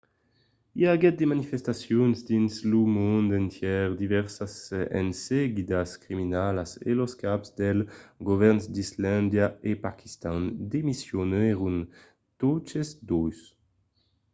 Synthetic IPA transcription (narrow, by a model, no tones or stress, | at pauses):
iaɡɛt̪̚d̪emanifest̪asjonzd̪inslumund̪ent̪jɛʁd̪ivɛʁsasɛ̰nsɛɡid̪askɾiminalasḛloskapzd̪elɡovɛɾnsd̪island̪jaepaki̥st̪and̪emisjonɛʁun | t̪ot͡ʃesd̪ojs